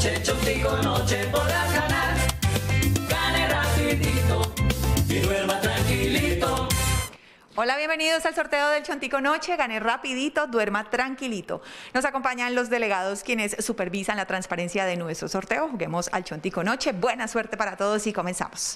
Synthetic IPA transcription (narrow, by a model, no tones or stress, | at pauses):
t͡ʃet͡ʃont̪ikonot͡ʃepoðɾazɡanaɾ | ɡanerapiðit̪o | iðweɾmat̪ɾaŋkilit̪o | o̞laβje̞mbe̞niðoesalso̞ɾt̪e̞oðe̞lt͡ʃont̪iko̞no̞t͡ʃe̞ɣanerapiðit̪o̞ðwe̞ɾmat̪ɾaŋkilit̪o̞̰no̞sako̞mpaɲanlo̞zd̪ele̞ɣað̞o̞skje̞ne̞sːupe̞ɾβisanlat̪ɾanspaɾe̞nsjaðenwe̞st̪ɾoso̞ɾt̪e̞oxuɣe̞mo̞sa̰lt͡ʃont̪iko̞no̞t͡ʃe̞bwe̞naswe̞ɾt̪e̞paɾat̪o̞ð̞o̞siko̞me̞nsa̰mo̥s